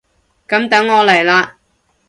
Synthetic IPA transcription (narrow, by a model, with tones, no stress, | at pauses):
kɐ˨˥mt̪ɐ˨˥ŋːɔː˨˧lɐ˨˩jlaː˧